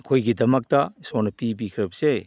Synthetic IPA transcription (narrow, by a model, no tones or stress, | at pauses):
ɐkʰojɡidɐmɐk̚tɐsonɐpibikʰɾɐbɐse